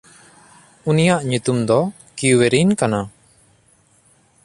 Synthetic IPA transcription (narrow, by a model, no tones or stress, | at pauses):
unijaʔɲut̪umd̪ɔ | kiweɾinkana